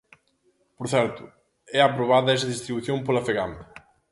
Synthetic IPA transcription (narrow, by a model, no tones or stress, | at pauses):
poɾθɛɾt̪ʊ | ɛapɾoβaðɐɛsɐðist̪ɾiβuθjompolɐfeɣamɐ